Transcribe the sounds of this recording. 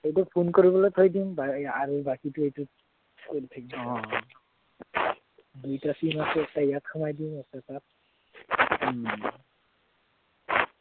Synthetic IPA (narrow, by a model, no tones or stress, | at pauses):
ejtɔpʰunkoɹibɔlojtʰojdimbaaɹubakitʊejtu | kojltʰakimɔ̃ | dujtasimasɛktajatxʰumajdiʊ̃mɛktasat̚